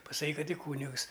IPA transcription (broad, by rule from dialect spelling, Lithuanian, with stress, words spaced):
pɐsɐˈkʲiːk ˈkɐt ɪ ˈkuːnʲɪks